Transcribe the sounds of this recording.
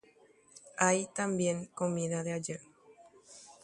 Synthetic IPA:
ajt̪ãmbjẽŋkomĩðaðead͡ʒə

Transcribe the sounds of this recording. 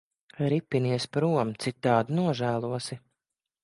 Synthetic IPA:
ɾipːiniɛspɾuɔmt̪sit̪ːaːd̪inuɔʒæːlˠuɔsi

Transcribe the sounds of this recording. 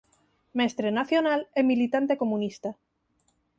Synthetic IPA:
mest̪ɾenaθjonalemilit̪ant̪e̞ko̞munist̪a

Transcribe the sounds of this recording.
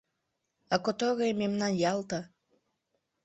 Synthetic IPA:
ɑkot̪oɣejmemnɑnjɑlt̪ɑ

